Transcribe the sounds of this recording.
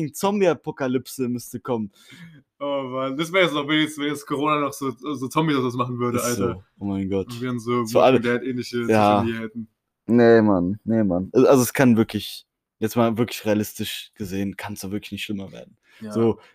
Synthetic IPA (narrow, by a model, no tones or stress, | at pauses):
ŋt͡sɔmbiapʰokalʏpsəmʏstəkʰɔmən | ʔovandasveːɐjɛt͡ssnɔχvɛnjɛst͡svɛnjɛt͡skʰoʁoːnanɔχz̥oːzoːt͡sɔmbidasdas̬maχn̩vʏɐɾəʔalzɐoːʔoːmaɪnɡɔtviːənzoːzoalədɛatʔeːnlɪçəjaːiɛtn̩ | nemannemanʔʔalzoɛskʰanvɪɐklɪç | jɛt͡smaːlvɪɐklɪçʁealɪstɪʃɡ̥əzeːənkʰansavɪɐklɪ̥çnɪçtʃlɪmɐvḛːɐdn̩ | z̥oː